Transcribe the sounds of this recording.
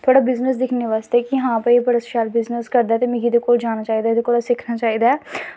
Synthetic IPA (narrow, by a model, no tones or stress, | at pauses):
t̪ʰoaːɽaːbɪznəs̬d̪ɪkʰneːʋaːst̪eːkɪɦãːpəipəɽəsʃaːlbɪznəskəɾd̪aːt̪eːmɪ̃ɡiːd̪eːkoːld͡ʒaːñaːt͡ʃaːiːd̪aːɪd̪ekoːlaːsɪkʰnaːt͡ʃaːiːd̪aːɛː